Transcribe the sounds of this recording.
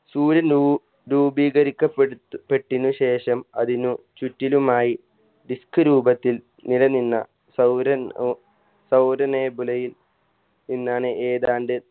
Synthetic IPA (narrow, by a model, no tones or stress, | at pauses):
suːɾɐn | ɾuːbiːɡɐɾikʲːɐpːepːe̞ʈːinːuɕe̞ːʂɐmɐðinu | t͡ɕutːilumaːji | ɖiskɨɾuːbɐt̪ːil | nilɐninːɐ̰ | sɐwɾɐ | sɐwɾɐneːbulɐjil | ninːaːɳɨʔeːðaːɳɖɨ